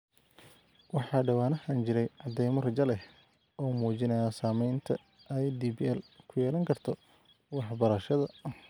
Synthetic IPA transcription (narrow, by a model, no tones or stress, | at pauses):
wɑħɑːɖɐwaːnɐhaːnt͡ʃɪɾɛjʕɑd̪ːɛjmɐrɐt͡ʃɐlɛ | ɔːmuːt͡ʃɪnɐjaːsaːmɛjnt̪ʰɐ | ɛjd̪iːbiɛlkʰʊjɛːlɐŋkʰɐrt̪ʰɔ | wɑħbɐɾɐʃɐðɐ